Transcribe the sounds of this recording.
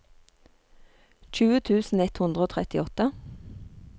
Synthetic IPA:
c͡çʉːət̪ʰʉːsn̩ɛt̪hʊnd̪ʁəoːt̪ʰʁɛt̪ɪɔt̪ə

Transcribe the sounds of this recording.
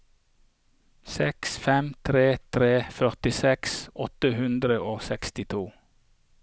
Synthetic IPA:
sɛksfɛmt̪ʰɾeːt̪ʰɾeːfœʁt̪ɪsɛksɔt̪əhʉnd̪ɾəʔoːsɛkst̪ɪt̪ʰuː

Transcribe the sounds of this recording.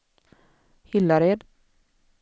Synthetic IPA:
hɪlːaɾed̪

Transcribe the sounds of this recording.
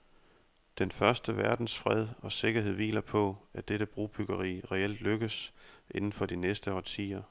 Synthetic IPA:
d̥enfɶɐsd̥əʋæɐd̥n̩sfʁɛð̞ˠɒ̽se̝ɡ̥ɐɦe̝̰ʋḭːlɐpʰɒ̽æd̥eɾ̥əb̥ʁuːb̥yɡ̥ɐʁḭːʁɛel̰d̥løɡ̥əsʔe̝nn̩fɒ̽d̥inesd̥əhɒt͡sʰḭːɐ

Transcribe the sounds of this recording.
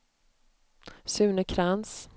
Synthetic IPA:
sʉ̟ːnəkʰɾans

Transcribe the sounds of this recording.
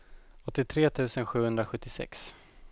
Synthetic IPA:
ɔt̪ːɪt̪ʰɾeːt̪ʰʉ̟ːsənɧʉ̟ːhɵnd̪ɾaɧɵt̪ːɪsɛ̰ks

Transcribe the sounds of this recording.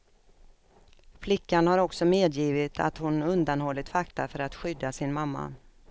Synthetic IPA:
flɪkːanhaɾɔksɔmeːd̪jiːvɪt̪ʰa̰t̪hʊnɵnd̪anhɔlːɪt̪fakt̪afœɾat̪ɧʏd̪ːasɪnmamːa̰

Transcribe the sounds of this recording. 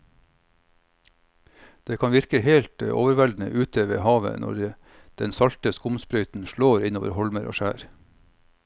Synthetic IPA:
d̪̥eːkʰɑnʋɪɾkəheːlt̪əʔo̰ːʋəɾʋæld̪n̩ə̰ʔʉːt̪ʰəʋḛːhɑːʋə̰nʔɔ̰ɾ | d̪̥ɛnsɑlt̪əskʊmspɾœʏt̪n̩ʃɭoːɾɪnoːʋə̰ɾhɔlməɾʔo̰ːʃæːɾ

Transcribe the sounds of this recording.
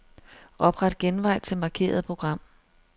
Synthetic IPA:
ʔɒ̽b̥ʁɑ̈d̥ɡ̥enʋɑ̈ɪ̰t͡sʰe̝lmɑ̈ːkʰe̝̰ːɐð̞̩ˠpʰʁo̝ɡ̥ʁɑ̈m̰

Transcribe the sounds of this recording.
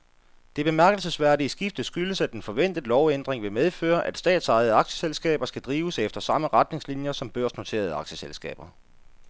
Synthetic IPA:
d̥e̝b̥e̝mæɐɡ̥əl̩səsʋæɐdiəsɡ̥ifd̥ð̩ˠsɡ̥yləsæd̥enfɒ̽ʋen̰d̥ð̩ˠlɒʊend̥ʁeŋʋe̝meðˠfø̰ːɐʔæd̥sd̥ɛ̰ːd̥sɑ̈ɪð̞̩ˠəɑ̈ɡ̥ɕə̥selsɡ̥ɛ̰ːb̥ɐsɡ̥æd̥ʁiːʊəsefd̥ɐsɑ̈məʁad̥ne̝ŋslinjɐsɒ̽mb̥ɶɐ̰sno̝t͡sʰe̝̰ːɐð̞ˠɑ̈ɡ̥ɕə̥selsɡ̥ɛ̰ːb̥ɐ

